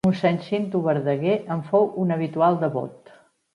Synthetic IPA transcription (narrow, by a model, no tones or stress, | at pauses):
unsɛnsint̪uβəɾðəɣeʔəɱfowunəβ̞it̪ualˠd̪əβo̰t̪